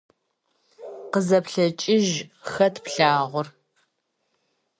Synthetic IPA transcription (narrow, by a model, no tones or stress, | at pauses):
qəzɐpɬɐt͡ʃʼɪʒxɐtʰpɬaːʁʷʊr